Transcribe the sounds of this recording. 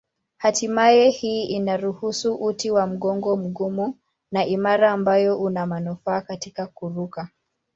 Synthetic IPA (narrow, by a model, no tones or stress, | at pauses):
hatimajɛhiːinaɾuhusuʔutiwam̩ɠɔŋɡɔm̩ɠumu | naʔimaɾaːmbajɔʔunamanufaːkatikakuɾuka